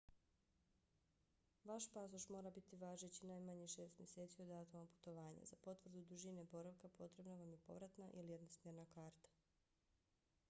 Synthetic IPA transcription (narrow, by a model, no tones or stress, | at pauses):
ʋaʃpasoʃmo̞ːɾabit̪iʋaːʒet͡ɕinajmaɲiʃe̞ːst̪mʲje̞se̞ːt̪sio̞d̪aːt̪omapu̥t̪o̞ʋaːɲa̰zapo̞t̪ʋr̩d̪ud̪uʒinebo̞ɾaʋkapo̞t̪ɾe̞bnaʋamjepo̞̰ʋɾat̪naʔilije̞d̪nosmjeɾnakaːɾt̪ḁ